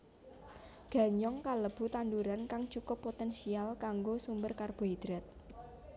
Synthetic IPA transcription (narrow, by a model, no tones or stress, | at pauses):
ɡ̥a̤ɲɔŋkaləb̥ṳt̪and̪uɾankaŋt͡ʃukʊpːot̪ɛnsialkaŋɡosumbərkarb̥o̤id̪̥ɾat̪̚